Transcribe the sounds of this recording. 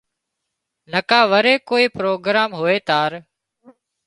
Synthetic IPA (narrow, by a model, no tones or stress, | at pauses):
nəkãːʋəɾeːkoːiːpɾoːɡɾaːmɦʊeːt̪aːɾ